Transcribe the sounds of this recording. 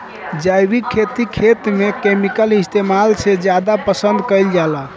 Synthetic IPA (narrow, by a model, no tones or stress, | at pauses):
d͡ʒajbikʰːet̪ikʰet̪mekemikəlist̪emalsed͡ʒjad̪apəsənd̪kəɪld͡ʒala